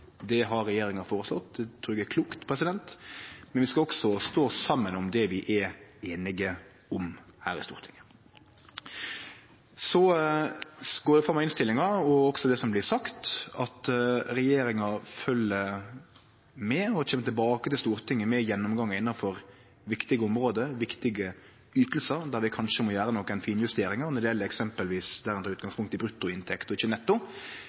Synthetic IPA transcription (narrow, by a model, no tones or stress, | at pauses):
d̪ɛɦɑɾːɛjeːɾɪŋɑfoːɾəslɔt̪ːd̪ɛt̪ʰɾuːɛɡɛɾkʰluːkt̪pʰɾɛsɪd̪ɛnt̪mɛnʋɪskɑɔksɔst̪oːsɑmːənɔmd̪ɛʋɪʔɛeːnɪɡə | ɔmhæ̰ːɾɪ̰st̪uːɾt̪ʰɪŋːə | sɔ | ɡoːɾd̪ɛfɾɑmːɑɪnst̪ɪlːɪŋɑɔɔksɔd̪ɛsɔmblɪsɑkt̪ɑt̪ɾɛjeːɾɪŋɑfœlːə | mɛɔeːmːət̪ʰɪlbɑːkət̪ɪlst̪uːʁt̪ʰɪŋːəmɛjɛnːɔmɡɑŋːəɪnːɑnfɔɾ | ʋɪkt̪ɪɡəɔmɾoːd̪əʋɪkt̪ɪɡə | yːt̪əl̩səɾd̪æɾʋɪkʰɑnʂəmɔjæːɾənɔkːæɪnfiːnjʉst̪eːɾɪŋɑnɔɖ̪ɪjɛləɛksɛmpəlʋiːsd̪æːɾɪnɾɑʉːt̪̚ɡɑŋspʊŋkt̪ɪbɾʉt̪ːʊɪnt̪ʰɛkt̪ɔɪçːənɛt̪ːʊ